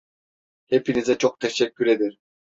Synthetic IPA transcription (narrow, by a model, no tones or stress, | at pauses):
hepinizɛt͡ʃʰoq̚t̪ʰeʃekʲːyɾed̪iɾ